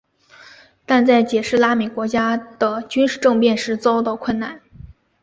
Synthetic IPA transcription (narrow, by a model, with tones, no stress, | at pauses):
t̪a˥˧nt͡sa˥˩ɪt͡ɕjɛ˨˩ʂɻ̩˥˩la˥me˨˩ɪkwɔ˧˥t͡ɕja˥d̪̥ə˩t͡ɕy˥nʂɻ̩˥˧ʈ͡ʂɤ˥˧ŋpjɛ˥˧nʂɻ̩˥˩t͡sɑ˥ʊt̪ɑ˥˧ʊkʰwə˥˧nna˥˩n